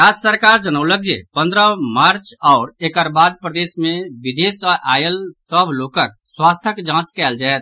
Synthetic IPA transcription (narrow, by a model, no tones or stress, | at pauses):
ɾad͡ʒsəɾkaːɾd͡ʒənəʊləɡd͡ʒḛpə̃nd̪ɾəmaɾt͡ʃɔʊɾekəɾbaːd̪̚pɾəd̪eːsmẽbid̪esəʔa̰ːjəlsəbʱlokək̚ | swaːst̪ʰəkd͡ʒãːt͡ʃkɛːld͡ʒaɛt̪̚